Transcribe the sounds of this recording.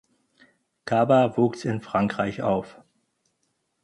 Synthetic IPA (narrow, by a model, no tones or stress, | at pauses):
kʰaːbavuːksɪnfʁ̥aŋkʁ̥aɪça̰ʊf